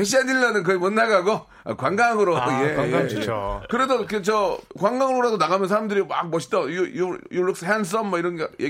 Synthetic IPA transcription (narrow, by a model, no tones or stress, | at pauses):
eɕ̬ʰiadilːʌnɯnk̬ɯemonːaɡaɡo | a̰kwaŋɡaaŋɯɾojejokɯɾe̞doket͡ɕʌkwaŋɡaŋɯɾoɾadonaɣamjʌnsʰaɾamdɯɾima̰k̚mʌɕʰi̥tʌjujujuɭːuk̚s͈ɯɦeans̬͈ʌnmʌiɾʌnɡajʔe